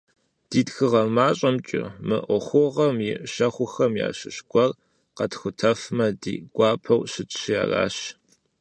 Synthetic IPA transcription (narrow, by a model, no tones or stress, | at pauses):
d̥iːtxɨʁɐmaːɕʼɐmt͡ʃʼɪ̰mɨ̰ʔʷɔχʷʊʁɐmjɪʔɕɐχʷʊxɐmja̰ːɕɨʃɕkʷʼɔr | qɐtxʷʊtʰɐfmɐdiːɡ̥ʷɑːpʰɐwɕɪt͡ʃɕja̰ːra̰ːɕ